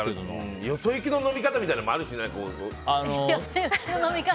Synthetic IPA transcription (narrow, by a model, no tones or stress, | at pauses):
no̰josojɯkʲino̞no̞mʲikat̪amʲit̪ainamoaɾɯ̟ɕinãko̰anojosojɯkʲinonomʲika